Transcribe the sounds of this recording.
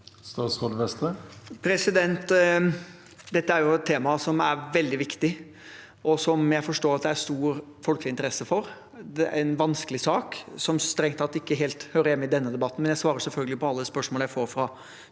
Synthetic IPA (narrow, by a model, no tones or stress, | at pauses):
st̪ɑːsod̪ʋɛst̪əpʰɾɛsɪd̪ɛnt̪ | d̪ɛt̪ːəæɾjʊɛt̪t̪ʰːeːmɑsɔmæɾʋɛld̪ɪʋɪkt̪ɪ | ʔɔsɔmjæɪfɔʂʈoːɾɑt̪̚d̪ɛæst̪uːɾ | fɔlklɪnt̪əɾɛsːəfɔɾ | d̪ɛænʋɑnskəlɪsɑːksɔmst̪ɾɛŋt̪ɑt̪ːɪkːəɦeːlt̪høːɾəjɛmːɪd̪ɛnːəd̪ɛbɑt̪ːnmɛnjæɪsʋɑːɾəsɛlfœlɡəlɪpʰɔɑlːəspœʂmoːləjæɪfoːɾfɾɑ